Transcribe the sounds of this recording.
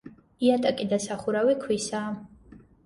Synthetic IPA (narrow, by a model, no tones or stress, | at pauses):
iat̪ʼakʼid̪asaχuɾawikʰwisaː